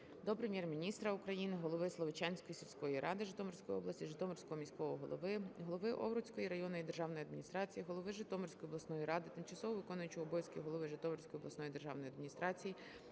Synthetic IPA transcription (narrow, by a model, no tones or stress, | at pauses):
d̪ɔpɾemʲjɛrmʲinʲist̪ɾɐukɾɐjinɪɦɔlˠɔʋɪslˠɔʋɪt͡ʃɑnʲsʲkɔjisʲilʲsʲkɔjiɾʔɑd̪ɪʒɪt̪ɔmɔrsʲkɔjiɔblˠɐsʲiʒɪt̪ɔmɔrʲsʲkɔɦɔmʲisʲkɔʋɔɦɔ̰lˠɔ̰ʋɪɦɔlˠɔʋɪʔɔ̰ʋɾʊt͡sʲkɔjiɾɐjɔnɔjid̪erʒɑwnɔjiɐd̪mʲinʲist̪ɾɑt͡sʲijiɦɔlˠɔʋɪʒɪt̪ɔmɔrsʲkɔjiɔb̪lˠɐsnɔjiɾɑd̪ɪt̪ɪmt͡ʃɐsɔɦɔʋɪkɔnʊjʊt͡ʃʊɔbɔjsʲkijɦɔlˠɔʋɪʒɪt̪ɔmɔrʲsʲkɔjɔblˠɐsnɔjid̪erʒɑ̰wnɔjɐd̪mʲinʲist̪ɾɑt͡sʲiji